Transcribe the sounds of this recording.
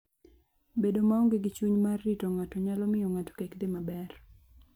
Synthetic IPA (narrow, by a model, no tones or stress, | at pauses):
bedomaoŋɡeɡɪt͡ʃuɲmarːitoŋatɔɲalɔmɪjɔŋatɔ̥kekd̪ɪmabɛr